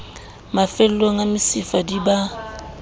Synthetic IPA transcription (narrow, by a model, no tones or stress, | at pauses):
mafɛl̩loŋamɪsɪfadiba